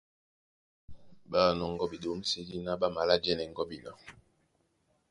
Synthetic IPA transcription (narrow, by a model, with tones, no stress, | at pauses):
ba˦˨nɔ˨ŋ̩˦ɡɔ˦bi˨ɗo˨˦m̩˦si˦li˦na˦ba˦ma˨la˦d͡ʒɛ˦nɛ˨ŋ̩˦ɡɔ˦bi˨la˦˨